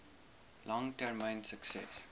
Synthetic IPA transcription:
lɔ̃ŋʈɛɹmãɪ̃nsəksɛ̰s

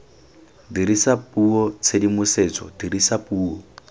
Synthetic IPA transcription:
diɾisapuɔt͡sʰedimused͡zɔ̰diɾisapuːɔ

